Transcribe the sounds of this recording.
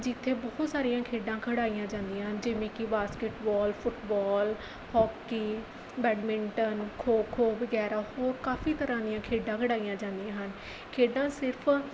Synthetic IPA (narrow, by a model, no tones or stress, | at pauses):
d͡ʒɪt̪ʰːeːbɔːt̪saːɾijãːkʰeːɖãːkʰəɽaːijãːd͡ʒãːnd̪ijãːɦənd͡ʒɪʋẽːkɪbaːskeʈbɔːlpʰʊʈbɔːl | hɔːkːiː | bɛːɖmɪɳʈənkʰoːkʰoːbəɡɛːɾaːhoːɾkaːfʰiːt̪əɾãːd̪ɪjãːkʰeːɖãːkʰəɽaːijãːd͡ʒãːnd̪ijãːɦən | kʰeːɖãːsɪɾpʰ